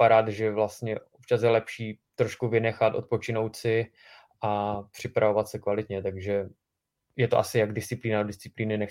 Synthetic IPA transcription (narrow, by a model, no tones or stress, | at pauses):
paɾaːt̪ʒɛvlast̪ɲɛʔo̞p̚t͡ʃasjɛlɛpʃiːt̪ɾo̞ʃkuvɪnɛxat̪ʔo̞t̪̚po̞t͡ʃɪnowt̪sɪ | ʔapr̥ɪpɾavo̞vat̪sɛkvalɪt̪ɲɛt̪aɡʒɛ | jɛt̪oʔa̰sɪjaɡdɪstt͡sɪpliːnadodɪst̪t͡sɪ̥pliːnɪnɛx